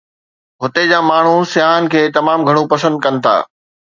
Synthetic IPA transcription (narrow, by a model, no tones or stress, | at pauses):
ɦʊt̪ed͡ʑaːmaːɳ̤usɪjaːɦən̆kʰeːt̪ɐmaːmɡʱɐɽ̃ũpɐsə̃nd̪̚kɐnɪ̆t̪ʰa̰ː